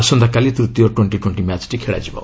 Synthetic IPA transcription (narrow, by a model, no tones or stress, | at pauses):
asɔnd̪ʱakalit̪ɾut̪ːijoʈweɳʈiʈweɳʈimɛt͡ʃʈikʰeɭa̰d͡ʒibɔ̰